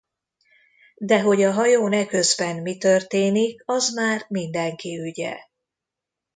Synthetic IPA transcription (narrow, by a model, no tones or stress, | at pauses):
d̪ɛɦo̞ɟɒɦɒjoːnɛkø̞zbɛnmit̪ørt̪eːnikɒzmaːrmind̪ɛŋkiyɟɛ̰